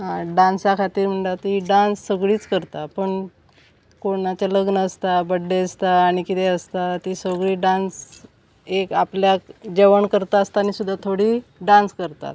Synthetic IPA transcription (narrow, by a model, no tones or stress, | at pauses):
ɦãɖãnsakʰat̪iːɾm̤əɳʈat̪iɖãnsːəɡɭiːt͡skəɾt̪apəɳ | koɳat͡ɕaləɡnəəst̪abəɖːeəst̪aːɽ̃ikit̪ɛəst̪at̪iːsəɡɭiːɖãns | ekapljakd͡ʑeʋəɳkəɾt̪aəst̪aːnisud̪ʱːat̪ʰoɽiːɖãnskəɾt̪a̰t̪